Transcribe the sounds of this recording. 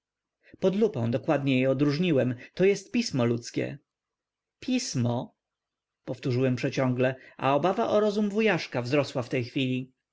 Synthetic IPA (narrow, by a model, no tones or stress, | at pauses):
pɔd̪lupɔ̃w̃d̪ɔkwad̪ɲɛjɛɔd̪ɾuʐɲiwɛmt̪ɔjɛst̪̚pʲismɔlut̪skʲɛ̰ | pʲʰismɔ | pɔft̪uʐɘwɛmpʂɛt͡ɕɔ̃ŋɡlɛʔa̰ɔbavaʔɔɾɔzumvujaʂkavzɾɔswaft̪ɛjxfʲilʲi